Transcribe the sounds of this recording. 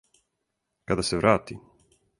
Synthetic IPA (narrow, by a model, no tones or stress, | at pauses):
kad̪aseʋɾaːt̪i